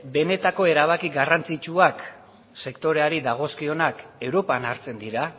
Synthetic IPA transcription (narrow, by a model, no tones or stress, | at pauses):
be̞ne̞t̪ako̞e̞ɾaβ̞akiɣarant͡sit͡ʃuak | se̞kt̪o̞ɾe̞aɾiðaɣ̞o̞skio̞nake̞wɾo̞panaɾt͡se̞nd̪iɾa